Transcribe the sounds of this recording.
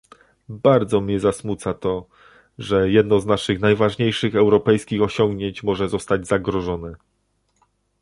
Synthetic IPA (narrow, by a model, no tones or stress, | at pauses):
baɾd̪zɔmʲɲɛzasmut̪sat̪ɔ | ʐɛjɛd̪̚nɔznaʂɘxnajvaʐɲejʂɘxɛwɾɔpɛjskʲixɔɕɔŋɡɲeɲt͡ɕmɔʐɛzɔst̪ad͡ʑzaɡɾɔʐɔnɘ